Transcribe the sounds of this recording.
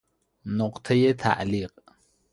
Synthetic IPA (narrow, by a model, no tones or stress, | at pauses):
noqt̪ʰajet̪ʰa̰ʔliq